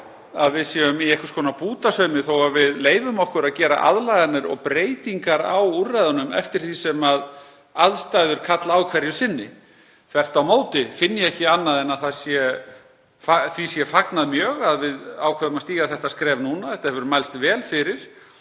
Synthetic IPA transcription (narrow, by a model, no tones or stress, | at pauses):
aðvɪðsjɛʏmiɛhkʏ̥skʰɔːnapuːt̪asœːmɪθowavɪðleːjvʏmɔhkʏɾaðcɛːɾa̰ʔa̰ðlajɣanɪɾɔ̰ɣpɾeːjt̪iŋkaɾa̰wurːajðʏnʏmɛ̰ft̪ɪɾ̥θisɛmað | aðst̪ajðʏɾ̥kʰat̪laaːwkʰvɛɾjʏsɪnːɪ | θʰvɛr̥t̪awmoːwt̪ɪfɪnːɪjɛhcɪanːaðɛnaðθasjɛ | faθisjɛfaknaðmjœːɣaðvɪðawkʰvɛɾðʏmast̪iːɣaθɛht̪askɾɛːvnuːnaθɛht̪ahɛvʏɾʏmajlst̪vɛːlfɪɾɪɾ̥